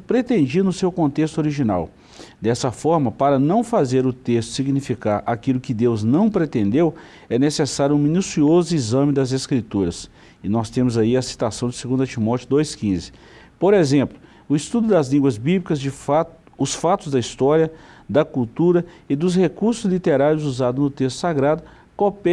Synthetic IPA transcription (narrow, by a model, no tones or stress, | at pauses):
pɾet̪ẽnd͡ʒinʊsewkõnt̪est̪ʊoɾiʒina̰w | d̪ɛsɐfɔɾmɐpaɾɐnɐ̃w̃fazeɾʊt̪est̪ʊ̥siɡnifikaɾʔakilʊkɪd̪ewznɐ̃w̃pɾet̪ẽnd̪ew | ɛnesesaɾjʊũminusiozʊizɐ̃mɪd̪ɐzeskɾit̪uɾɐs | ɪnɔst̪ẽmʊzaiɐsi̥t̪asɐ̃w̃d͡ʒɪseɡũnd̪ɐt͡ʃimɔt͡ʃjʊd̪ojskĩzɪ̥ | poɾezẽplʊ | ʊist̪ud̪ʊd̪ɐzlĩŋɡwɐzbiblikɐzd͡ʒɪfat̪ | ʊsfat̪ʊzd̪ɐist̪ɔɾjɐd̪ɐkuwt̪uɾɐɪd̪ʊshekuɾsʊzlit̪eɾaɾjʊzuzad̪ʊznʊt̪est̪ʊ̥saɡɾad̪ʊ | kopɛ